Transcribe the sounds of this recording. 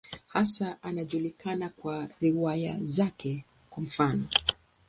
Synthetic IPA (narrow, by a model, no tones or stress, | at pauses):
hasaʔanaʄulikʰanakwaɾiwaja̰zakʰɛ | kwam̩fanɔ